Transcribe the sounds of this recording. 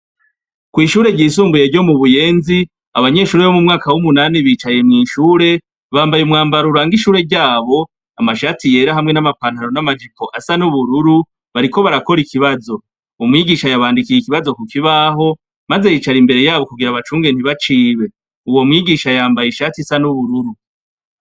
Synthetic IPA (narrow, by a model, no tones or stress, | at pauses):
kwiːʃuːɾe̞ɟiːs̬uːmbuje̞ɾɟo̞muβuje̞ːnzi | aβaɲe̞ʃuːɾeβomumŋaːkawumunaːniβit͡ʃajemŋiːʃuːɾe̞ | βaːmbajumŋaːmbaɾuɾaːŋɡiʃuːɾe̞ɾɟaːβo̞ | amaʃaːtije̞ːɾaɦamŋe̞namapaːnhaɾo̞namad͡ʒipo̞ʔasanuβuɾuɾu | βaɾiko̞βaɾako̞ɾikʰiβazo̞ | umŋiːɡiːʃajaβaːndikijikiβazo̞kukiβaɦo̞ | maze̞jiːt͡ʃaɾimbe̞ɾe̞jaːβo̞kuɡiɾaβat͡ʃuːŋɡe̞n̥hiβat͡ʃiːβe̞ | uwo̞mŋiːɡiːʃajaːmbajiʃatisanuβuɾuɾu